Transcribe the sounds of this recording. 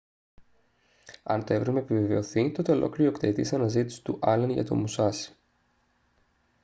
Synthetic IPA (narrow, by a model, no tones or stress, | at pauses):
ɐ̰nt̪o̞e̞vɾemeepiveve̞o̞θit̪o̞t̪e̞o̞lʔo̞̰kliɾokt̪eit̪isɐnɐzit̪i̥si̥t̪uʔɐlenʝɐ̰t̪o̰musɐsi̥